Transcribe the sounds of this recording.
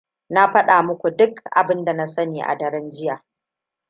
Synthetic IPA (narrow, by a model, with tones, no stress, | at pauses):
na˦ɸɐ˦ɗaː˨mʊ˦kʷu˨dʊ˦kʔa̰˨bɪ˦nda˨na˦sɐ˦neː˨ʔa̰˨dɐ˨ɾɛ˦nd͡ʒɪ˦jaː˨